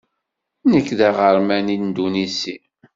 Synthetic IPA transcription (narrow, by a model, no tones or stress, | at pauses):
nəkːðæʁəɾmænind̪unisi